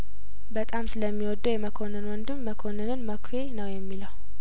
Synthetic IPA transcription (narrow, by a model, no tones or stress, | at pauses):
bət̪ʼamsɨləmːiwɔd̪ːujɛməkʰo̞nɨnwɔnd̪ɨmːəkʰonːɨnɨnməkʰenəwjɛmːiləw